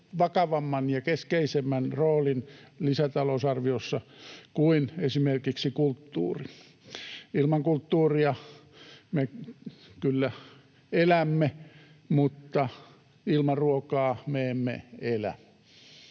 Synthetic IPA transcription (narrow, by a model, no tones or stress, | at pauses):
ʋɑkɑʋɑmːɑnjɑkeskeisemːænroːlinlisæt̪ɑlousɑrʋiosːɑkuinesimerkiksikult̪ːṵːri | ilmɑŋkult̪ːuːriɑ | me | kylːæ | elæmːe | mut̪ːɑ | ilmɑruokɑːmeemːḛelæ̰